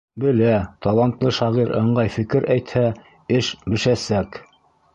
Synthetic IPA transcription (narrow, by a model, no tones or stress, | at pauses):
bɘ̆læt̪ɑlˠɑnt̪lˠɤʃɑʁiɾɤ̆ɴɢɑjfɘ̆kɘɾæjt̪hæ | ɘʃbɘ̆ʃæsæk